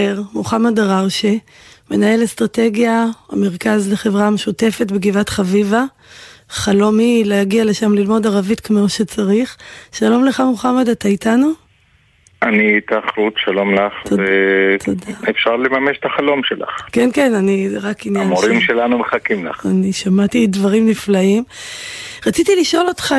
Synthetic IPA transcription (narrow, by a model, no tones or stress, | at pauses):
eʁmuχamadaʁaʁʃe | me̞nae̞lestʁate̞ɡjaame̞ʁkazleχe̞vʁameʃute̞fe̞tbeɡivat̪χaviva | χalo̞mileaɡiale̞ʃamlilmo̞daʁavitkmo̞ʃe̞t͡saʁiχʃalo̞mleχamuχamadat̪aitanu | anit̪aːχɾutʃalo̞mlaχvet̪odaefʃaʁlemameʃt̪aχalo̞mʃela̰χkenkenaniʁakinjjanmoɾimʃelanumeχakimla̰χaniʃamatidvaʁimniflaim | ʁat͡sit̪iliʃo̞lo̞tχa